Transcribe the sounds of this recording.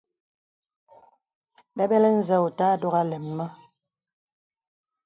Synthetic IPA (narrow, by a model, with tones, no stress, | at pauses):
bɛ˦bɛ˦lɛ˦n̩˦zɛ˦u˨taː˦do˦ɣa˦lɛ˨mːə˦